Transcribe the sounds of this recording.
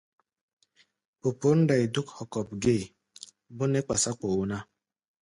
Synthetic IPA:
po˨po˨n̩˦da˨i˨du˦khɔ˨kɔ˨p̚ɡeː˦˨ | bʊ˦ne˦k͡pa˨sa˦ko˨u˨na˦

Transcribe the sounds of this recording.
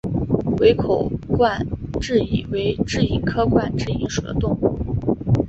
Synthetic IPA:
we˧˥ɪkʰo˨˩ʊkwa˥˧nʈ͡ʂɻ̩˥˧i˨˩we˧˥ɪʈ͡ʂɻ̩˥˩i˧˩ŋkʰɤ˥kwa˥˩˧nʈ͡ʂɻ̩˥˩i˧˥ŋʂu˨˩d̪ə̰˦t̪ʊ˥˧ŋṵ˥˩

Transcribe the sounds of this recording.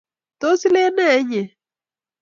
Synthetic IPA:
t̪o˦si˦le˦nɛ˦˨˦ɲe˨

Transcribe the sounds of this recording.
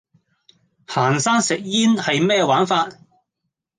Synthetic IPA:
haː˨˩nsaː˥ŋsɪ˨k̚jiː˥nhɐ˨jmɛː˥waː˨˥nfaː˧t̚

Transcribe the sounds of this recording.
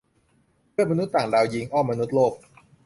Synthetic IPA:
ɯ˥˩əma˧nu˦˥t̪̚ːaː˨˩ŋdaː˧wji˧ŋʔɔː˥˩mːa˧nu˦˥t̪̚loː˥˩k̚

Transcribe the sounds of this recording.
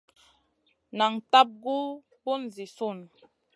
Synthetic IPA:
na˨ŋta˦p̚ɡu˦ | bo˦n˨zi˨su˦˨n

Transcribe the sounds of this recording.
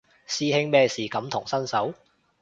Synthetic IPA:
siː˧hɪ˧ŋmɛː˧siː˨˩kɐ˨˥mt̪ʰʊ˨˩ŋsɐ˥nsɐ˨˥w

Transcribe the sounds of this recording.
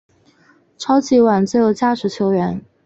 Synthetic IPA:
ʈ͡ʂʰɑ˥ʊt͡ɕi˧˥wa˨˩nt͡s̩˥jo˨˩ʊt͡ɕja˥˩ʈ͡ʂɻ̩˧˥t͡ɕʰjo˧˥ʊɥɛ˧˥n

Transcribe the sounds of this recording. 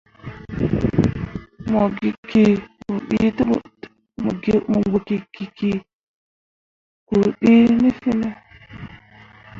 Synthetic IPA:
mo˨ɡi˨kːi˦˨ku˨ɓḭ˦t | mṵ˨ɡi˦mu˨ŋɡo˨ki˨kːi˨ki˦ | ku˨ɓi˦ni˦fi˦ne˦

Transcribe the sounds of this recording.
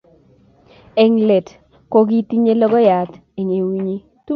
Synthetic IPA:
e˦ŋle˨t | ko˦ɡi˦ti˦ɲe˦lɔ˦ɡɔ˦ja˨t̪ | e˨ɲe˨wi˦ɲi˦ | tu˦

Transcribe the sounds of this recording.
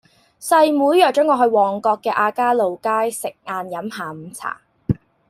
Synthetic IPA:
sɐ˧jmuː˨˥jjœː˨˩k̚t͡ʃœː˨˥ŋɔː˨˧hɵ˧ɥwɔː˨˩ŋkɔː˧kːɛː˧ʔaː˧kaː˥lo˨wkaː˥jsɪ˨k̚ŋaː˧njɐ˨˥mɦaː˨˩m̩ː˨˦mt͡sʰa̰ː˨˩

